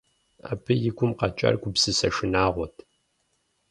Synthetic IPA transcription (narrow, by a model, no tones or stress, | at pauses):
a̰ːpʰɨjɪɡʷʊmqɐt͡ʃʼɐ̰rɡʷʊpsɨsɐʃɪnaːʁʷɔtʰ